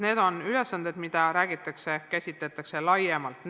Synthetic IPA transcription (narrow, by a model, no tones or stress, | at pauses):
ne̞ːd̪̥o̞nylesːɑnd̪̥e̞d̪̥mid̪̥ɑɾæːɡit̪ːˑɑkse̞kæsʲit̪ˑlet̪ːˑɑkse̞lɑjemɑlt̪ːˑn